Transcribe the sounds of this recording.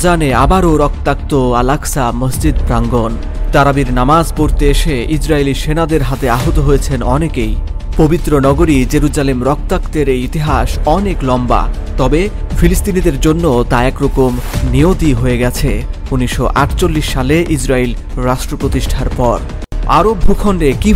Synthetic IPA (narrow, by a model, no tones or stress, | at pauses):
d͡ʑaneabaɾoɾɔk̚t̪ak̚t̪oalaksaməsd͡ʑid̪pɾaŋɡon | t̪aɾabiɾnamad͡ʑpoɾt̪eeʃeid͡ʑɾailiʃenad̪eɾɦat̪eaɦot̪oɦojet͡ɕʰenɔ̰nekej | pobit̪ːɾonɔɡoɾid͡ʑeɾud͡ʑalemɾɔk̚t̪akt̪eɾeit̪iɦaʃɔneklɔmba̰t̪ɔbefilist̪inid̪eɾd͡ʑonːot̪aɛkɾɔkomniot̪iɦoeɡɛt͡ɕʰe | uniʃoʔa̰ʈt͡ɕolːiʃːaleʔid͡ʑɾailɾaʃʈɾopɾot̪iʃʈʰaɾpɔɾ | a̰ɾobʱukʰɔɳɖeki